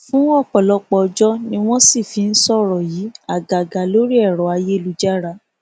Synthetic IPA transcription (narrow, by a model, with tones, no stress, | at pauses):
fũ˨˦ɔ˦˨k͡pɔ˨lɔ˨˧k͡pɔ˧d͡ʒɔ˦nĩ˧˦w̃ɔ̃˦si˦˨fi˧˦n̩˦sɔ˦ɾɔ˨ji˨˦a˦˨ɡa˨ɡa˨lo˦ɾi˦ɛ˦˨ɾɔ˨˦a˧je˦˨lu˨˦d͡ʒa˦ɾa˧˦